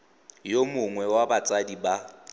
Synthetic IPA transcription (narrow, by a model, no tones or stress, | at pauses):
jomʊŋwɛwabat͡sʼadiba